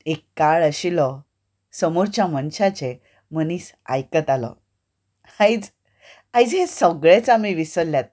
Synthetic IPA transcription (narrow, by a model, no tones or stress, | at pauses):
ekːaɭəɕilɔ | səmoɾt͡ɕjamənɕat͡ɕe | məniːsa̰jkət̪alɔ̰ | ajd͡z | ajd͡zɦesəɡɭet͡samiʋisəɾljat̪̚